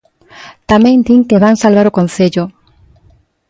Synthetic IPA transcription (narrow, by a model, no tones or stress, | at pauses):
t̪amẽŋd̪iŋkeβaŋsalβaɾokonθeʎʊ